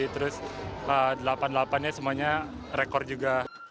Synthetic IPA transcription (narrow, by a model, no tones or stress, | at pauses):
it̪əɾʊsədəlapandlapanɲasəmuaɲa | ɾekɔrd͡ʒuɡa